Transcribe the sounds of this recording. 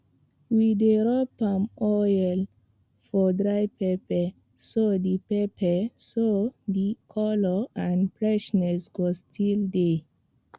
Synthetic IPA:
wideɹɔpãmɔjɛl | fɔdɹajpepɛ | sodipepʰəsodikʰɔlɔãndfɹɛʃnɛsɡ̥ostʰilde

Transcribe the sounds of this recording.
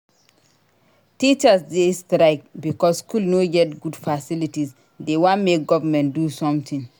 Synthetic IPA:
tit͡ʃasdestɾaɪk̚bikɔsskulnoɡɛt̚ɡudfasilitis | dewɔ̃nmek̚ɡɔvamɛ̃ntdusɔ̃mt̪ʰĩŋ

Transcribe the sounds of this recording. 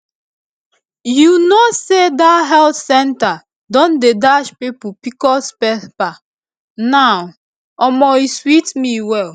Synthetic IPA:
junosedaɦɛltsɛnta | dɔ̃ndedaʃpipupikɔspɛθpa | naʊ | ɔmɔiswitmiwɛl

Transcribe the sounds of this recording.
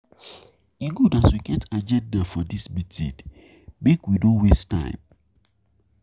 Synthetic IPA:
iɡudaswiɡɛ̃tad͡ʒɛt̚dafɔdisbitʰḭd | mekwidõnwestã̰ɪ̃m

